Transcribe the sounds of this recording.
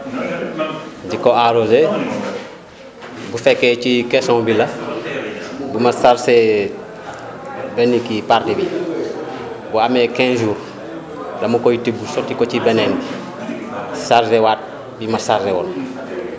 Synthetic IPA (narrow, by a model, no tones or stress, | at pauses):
ɟikɔaɾoze | bufɛkːɛcikɛsɔ̃ŋbilɐ | bumasaɾsɛ | benikipaɾdibi | buamɛkɛ̃nʒuːɾ | dɐmukojitibusɔtːikocibɛnɛnbi | saɾsɛwaːt̚ | bimɐsaɾsɛwɔn